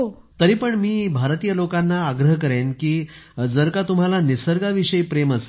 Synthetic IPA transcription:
t̪əɾiːpəɳmiːbʱaɾt̪ijəlokanːaːɡɾəɦkəɾenkiː | d͡zəɾkat̪um̤alanisəɾɡaʋiɕəipɾeməse̥

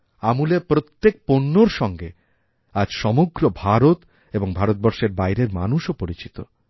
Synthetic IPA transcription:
amulepɾot̪ːek̚ponːoɾʃɔŋɡe | ad͡ʑʃɔmoɡɾobʱaɾot̪ | eboŋbʱaɾot̪̚bɔɾʃeɾbajɾeɾma̰nuʃopoɾit͡ɕit̪o̰

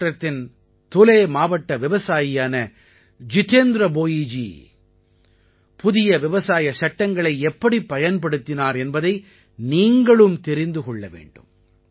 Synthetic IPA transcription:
rɐt̪ːɪn | t̪ʊleːmaːʋɐʈːɐʋɪʋɐsaːjɪjaːnɐ | d͡ʒɪt̪eːnd̪ɾɐboːjiːd͡ʒḭ | pʊðɪjɐʋɪʋɐsaːjɐsɐʈːɐŋɡɐɭɐɪɛpːɐɽipːɐjɐnpɐɽɯt̪ːɪnaːɾɛnbɐðɐɪ | niːŋɡɐɭɯmt̪ɛɾɪnd̪ɯkɔɭːɐʋḛːɳɖɯ̰m

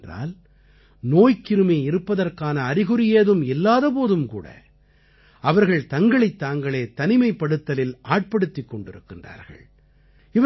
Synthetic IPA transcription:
dra̰ːl | noːjkɪɾɯmeːɪɾɯpːɐðɐrkaːnɐːrɪɣɯɾɪjeːðɯmɪlːaːðɐp̬oːðɯmkṵːɽɐ̰ | ɐʋɐɾɣɐɭt̪ɐŋɡɐɭɐɪt̪ːaːŋɡɐɭeːt̪ɐnɪmɐɪpːɐɽɯt̪ːɐlɪlaːʈ̚pɐɽɯt̪ːɪkːɔɳɖɪɾɯ̰kːɪndra̰ːɾɣɐ̰ɭ | ɪʋɐ

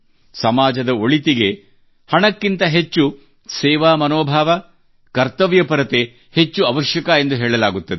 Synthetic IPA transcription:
sɐmaːd͡ʒɐd̪ɐoɭit̪iɡe̞ | hɐɳɐkːint̪ɐɦet͡ʃːu | sɛːʋaːmɐnoːbʱaːʋɐ | kɐɾt̪ɐʋjɐpɐɾɐt̪e | het͡ʃːuɐʋɐʃjɐkɐend̪uɦeːɭɐlaːɡut̪ːɐd̪e

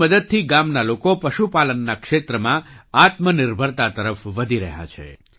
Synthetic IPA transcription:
məd̪əd̪̚t̪ʰiɡamnalokopəʃupalənːakʃet̪ɾəmãat̪mənɪɾbʱəɾt̪at̪əɾəfʋəd̪ʱiɾəɦa̰t͡ʃʰḛ

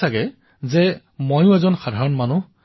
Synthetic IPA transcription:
aɡɛ | zɛ | mojʊ̃ɛzɔnxad̪ʱaɹɔnmanu

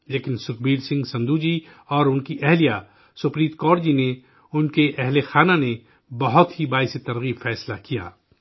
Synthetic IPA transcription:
leːkɪnsʊk̚biːlsɪ̃ŋɡsɐ̃nd̪uːd͡ʒi | ɔːɾʊnkiʔɛɦlija | sʊpɾiːt̪kɔːɾd͡ʒine | ʊnkeʔɛɦlexaːnane | bɐɦʊt̪ɦibaːjset̪ɐɾɣiːbfɛːslakija̰ː

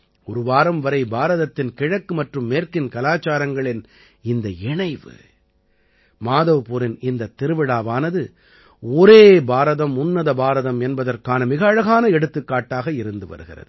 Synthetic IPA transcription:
ɔɾɯʋaːɾɐmʋɐɾɐɪbaːɾɐðɐt̪ːɪnkɪɻɐkːɯmɐʈrɯmːeːrkɪnkɐlaːt͡ʃːaːɾɐŋɡɐɭɪn | ɪnd̪ɐɪɳɐɪʋɯ̰ | maːðɐʋpʊɾɪnɪnd̪ɐt̪ːɪɾɯʋɪɽaːʋaːnɐðɯ | ɔɾeːbaːɾɐðɐmʊnːɐðɐbaːɾɐðɐmɛnbɐðɐrkaːnɐmɪɣɐɻɐɣaːnɐɛɽɯt̪ːɯkːaːʈːaːɣɐɪɾɯnd̪ɯʋɐ̰ɾɯɣɪ̰rɐ̰ðɯ

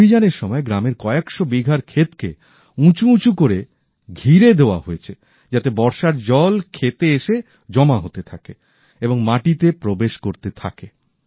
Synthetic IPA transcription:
bʱid͡ʑaneɾʃɔmɔeɡɾameɾkɔeekʃobiɡʱaɾkʰet̪kḛ | ũt͡ɕuũt͡ɕukoɾe | ɡʱiɾed̪eoa̰ɦoet͡ɕʰe | d͡ʑat̪ebɔɾʃaɾd͡ʑɔlkʰet̪eeʃe | d͡ʑɔmaɦot̪et̪ʰake | eboŋmaʈit̪epɾobeʃkoɾt̪et̪ʰa̰ke

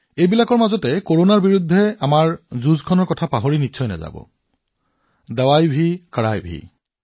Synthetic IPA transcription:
ejbilakɔɹmazɔtɛkoɹonaɹbiɹud̪ʱːɛamaɹzuzkʰɔnɔɹkɔtʰapaɦoɹinitːsʰɔjnɛ̰za̰bɔ̰ | dawajbʱikaɹajbʱḭ

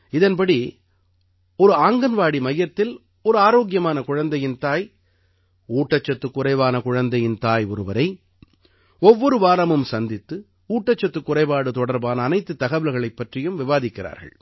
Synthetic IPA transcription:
ɪðɐnpɐɽi | ɔɾɯaːŋɡɐnʋaːɽimɐjːɐt̪ːɪl | ɔɾɯaːɾoːɣɪjɐmaːnɐkʊɻɐnd̪ɐjɪnt̪aːj | uːʈːɐt͡ʃːɐt̪ːɯkːʊrɐɪʋaːnɐkʊɻɐnd̪ɐjɪnt̪aːjɔɾɯʋɐɾɐɪ | ɔʋːɔɾɯʋaːɾɐmɯmsɐnd̪ɪt̪ːɯ | uːʈːɐt͡ʃːɐt̪ːɯkːʊrɐɪʋaːɽɯt̪ɔɽɐɾbaːnɐːnɐɪt̪ːɯt̪ːɐɣɐʋɪlɣɐɭɐɪpːɐʈrɪjɯmʋɪʋaːðɪkːɪra̰ːɾɣɐ̰ɭ

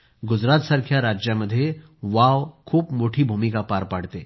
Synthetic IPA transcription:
ɡʊd͡ʒɾaːt̪sə̃ɾkʰjaɾaːd͡ʒjəmɐd̪ʱje | ʋaːʋkʰuːpmoːʈʰibʱuːmikapaːɾpaːɽt̪eː

